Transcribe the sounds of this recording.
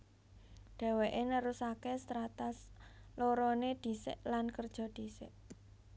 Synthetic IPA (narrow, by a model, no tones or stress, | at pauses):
ɖ̪̥ɛ̤weʔenəɾusakest̪ɾat̪asloɾoned̪̥i̤sɪ̰ʔlankərd̥ʒ̥ɔ̤d̪̥i̤sɪʔ